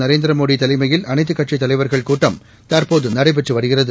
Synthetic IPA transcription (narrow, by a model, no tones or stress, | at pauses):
nɐɾeːnd̪ɪɾɐmoːɽit̪ɐlɪmɐjɪlɐnɐɪt̪ːɯkːɐʈt͡ʃit̪ːɐlɐɪʋɐɾɣɐɭkuːʈrɐm | t̪aːɾpoːðɯnɐɽɐɪp̬ɛʈrɯʋɐɽɯɣɪrɐðɯ